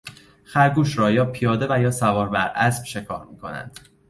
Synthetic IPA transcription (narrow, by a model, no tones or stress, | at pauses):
xæɾɡuːʃɾɒːjɒːpʰijɒːd̪e̞væjɒːsævɒːɾbæɾæsb̥ʃe̞kʰɒ̰ːɾmiːkʰo̞̰næ̰nd̪̥